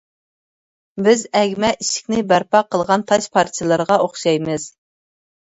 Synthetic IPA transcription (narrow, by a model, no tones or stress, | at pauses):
bɪzɛɡʲmɛʔiʃɪ̥kʲnɪbæɾpɑqʰəlˠʁɑnt̪ʰɑʃpʰɑɾt̪ʰijlˠɨɾʁɑoχʃɑjmɨz̥